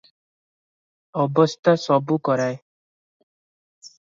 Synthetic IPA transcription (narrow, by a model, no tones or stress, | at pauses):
ɔbɔst̪asɔbukɔɾaj